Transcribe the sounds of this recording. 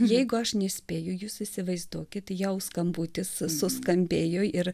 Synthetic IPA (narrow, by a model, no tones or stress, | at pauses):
jɛɪɡʊɐʃnʲɛsʲpʲeːjʊjuːsɪsʲɪʋɐɪzd̪uɔkʲɪt̪jɛʊskɐmbuːt̪ʲɪsːʊskɐmʲbʲeːjoːɪɾ